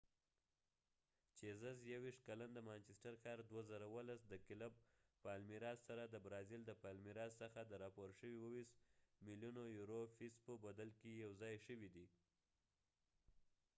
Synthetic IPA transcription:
t͡ʃezazjawiʂt̪̚kaland̪əmant͡ʃɪsʈaɾxɑɾd̪wazaɾawəlasd̪əkɪlab̚palmiɾɑsːaɾad̪əbɾɑzild̪əpɑlmiɾɑsːəxad̪əɾɑpoɾʃəwiwəwismiljunojuɾofispəbad̪alkijawzɑjʃəwid̪i

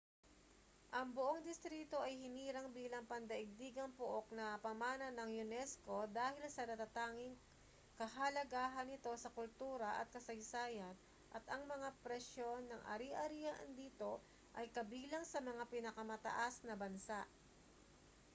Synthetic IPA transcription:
ʔɐŋbʊʔoŋd̪ɪst̪ɾiːt̪o̞ʔɐjhɪniːɾɐŋbiːlɐŋpɐnd̪ɐʔɪɡ̚d̪iːɡɐŋpʊʔo̞k̚nɐpɐmaːnɐnɐŋjʊnɛsko̞d̪aːhɪlsɐnɐt̪ɐt̪aːŋɪŋ | kɐɦɐlɐɡaːɦɐnɪt̪o̞sɐkʊlt̪uːɾɐʔɐ̰t̪̚kɐsɐjsaːjɐn | ʔɐt̪ɐŋmɐŋapɾɛʃjo̞nːɐŋʔɐ̰ɾiʔɐɾijɐʔɐnd̪iːt̪o̞ | ʔɐjkɐbiːlɐŋsɐmɐŋapɪnɐkɐmɐt̪ɐ̰ʔasnɐbɐnsaʔ

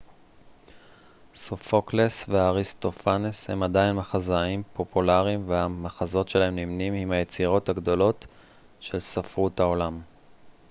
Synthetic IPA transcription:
sofoklesveaʁist̪o̞faneshe̞̰mad̪ainmaχazaimpo̞pulaʁimvehamaχazo̞tʃe̞laɦe̞mnimnimimhaje̞t͡siʁo̞thaɡd̪o̞lo̞t | ʃe̞lsafʁuthao̞lam

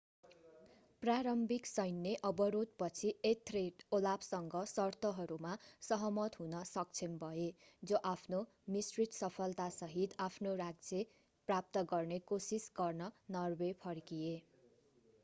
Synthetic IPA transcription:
praɾʌmbiksʌjnːeʔʌbʌɾut̪̚pʌt͡sʰiet̪ʰreʈolapsʌŋɡʌsʌrt̪ʌɦʌɾumasʌɦʌmʌt̪ɦunʌsʌk̚t͡sʰenbʱʌed͡zoʔapʰno | misrit̪sʌpʰʌlt̪asʌɦit̪apʰnoraɡ̚d͡ze | prap̚t̪ʌɡʌrnekosisɡʌrnʌnʌrbepʰʌrkie

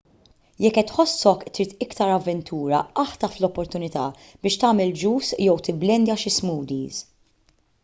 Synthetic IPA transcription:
jɛkːɛt̪ħɔsːɔkt̪ɾiːt̪ɪkt̪ɐɾɐvːɛnt̪ʰuːɾɐɐħt̪ɐflɔpːɔɾt̪ʊnɪt̪ɐ̰ | b̥ɪːʃt̪ɐːmɛld͡ʒuːsjɛwt̪ɪbːlɛnd̪jɐʃɪsmuːd̪iːz

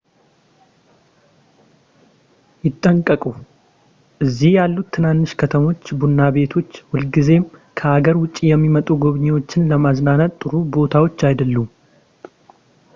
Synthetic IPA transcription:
jɪt̪ʼːəŋkʼːəkʼu | ʔɨzːihjalːut̪ʰːɨnanːɨʃkʰət̪ʰəmo̞t͡ʃːbunːaβe̞t̪ʰo̞t͡ʃːwʊlɡize̞mkʰəʔaɡəɾwʊt͡ʃʼːijɛmːimət̪ʼuɡo̞βɲewo̞t͡ʃːɪnləmaznanat̪ʼːɨɾubo̞t̪ʰawo̞t͡ʃːajd̪əlːum

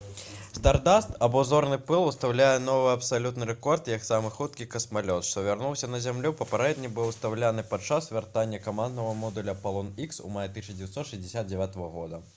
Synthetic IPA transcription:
st̪ard̪ast̪ɐbɔzɔrnɨpɨlˠust̪awlʲajɛn̪ɔvɨɐpsalʲut̪nɨɾɛkɔrt̪jɐksamɨxut̪̚kʲikɐsmalʲɔt̪ʂt̪ɔvʲarnuwsʲɐnɐzʲamlʲupɐpʲɛɾɛd̪ʲnʲibɨwst̪awlʲanɨpat͡ʂasvʲart̪anʲːɐkamand̪nɐvɐmɔd̪ulʲɐpalˠɔniksṵmajɐt̪ɨɕʲɐd͡zʲɪvʲjɛt̪sɔt̪ʂɨzʲdʲɪsʲad̪̚d͡zʲɛvʲat̪ɐvɐɣɔd̪ɐ

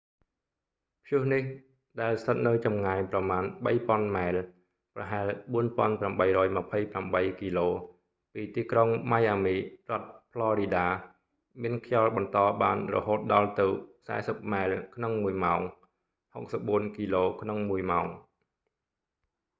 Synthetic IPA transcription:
pʰjʊəhnih | ɗaɛlst̪ʰət̪̚nɨwt͡ɕɑmŋaɛjprɑmaːnɓəjpŏənmaɛl | prɑ̰ɦaɛlɓuənpŏənpramɓəjrɔːjməpʰəjpramɓəjkiːloː | piːt̪iːkroŋmajʔaːmiːrŏət̪̚pʰlɑːɾiːɗaː | miənkʰjɑlɓɑnt̪ɑːɓaːnrɔ̰ɦoːt̪̚ɗɑlt̪ɨwsa̰ɛsəp̚maɛlkʰnoŋmuəjmaɔŋ | hok̚səp̚ɓuənkiːloːkʰnoŋmuəjmaɔŋ

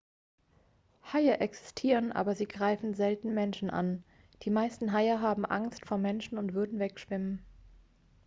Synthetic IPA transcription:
haɪɐʔɛksɪ̥stʰiːʁənʔa̰ːbɐziːɡʁaɪfn̩zɛltn̩mɛnʃn̩ʔa̰n | d̥iːmaɪstn̩ɦaɪɐɦaːbm̩ʔa̰ŋstfoːɐmɛnʃn̩ʊntv̥ʏɐdn̩vɛkʃv̥ɪmən

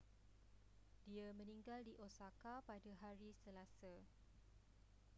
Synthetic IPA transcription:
diamə̃nĩŋɡaldiʔosakapadaɦaɾisəlasa

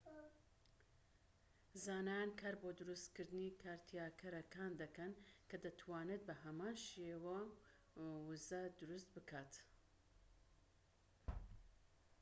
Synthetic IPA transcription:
zaːnaːnkʰaɾboːd̪uɾust̪kɨɾd̪ɨniːkʰaːɾt̪ʰijaːkʰɐɾɐkʰaːnd̪ɐkɐnkʰɐd̪ɐt̪ʰwaːnɨt̪̚bɐɦɐmaːnʃeːwɐ | wuzɐd̪ɨɾust̪bɨkʰaːt̪

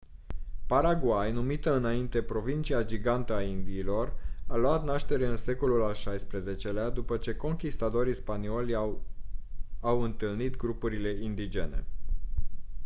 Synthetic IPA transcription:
paɾaɡwajnumit̪əɨnaint̪e̞pɾo̞vint͡ʃiad͡ʒiɡant̪əaind̪iːlo̞ralwat̪naʃt̪e̞ɾe̞ɨnse̞ko̞lulalʃajspɾe̞ze̞t͡ʃe̞lead̪upət͡ʃe̞ko̞ŋkʲist̪at̪o̞ɾispanio̞lʲ | awɨnt̪ɨlnit̪ɡɾupuɾile̞ind̪id͡ʒe̞̰ne̞̰

